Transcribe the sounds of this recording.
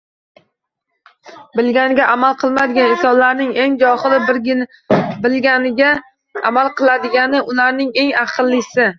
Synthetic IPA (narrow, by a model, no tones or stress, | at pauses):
bɪlɡʲanɪɡʲaʔamalˠqʰɨlˠmad̪ɪɡʲanɪsɒnlaɾnɪŋe̞ŋd͡ʒɒχɨlˠɪɾʲ | bɪlɡʲanɪɡʲa | amalˠqʰɨlˠad̪ɪɡʲanɪʔʊlaɾnɪŋe̞ŋaqʰɨlˠːɪsɪ